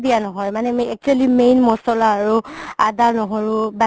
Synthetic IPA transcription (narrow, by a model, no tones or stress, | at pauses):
dijanɔɦɔjmanɛɛk̚t͡ʃualimejnmɔsɔlaːɹuadaɹnɔɦoɹʊba